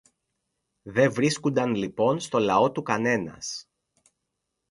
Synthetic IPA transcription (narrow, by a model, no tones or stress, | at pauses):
ðe̞ɱvɾiskund̪ɐnlipo̞nst̪o̞lɐo̞t̪ukɐne̞nɐ̰s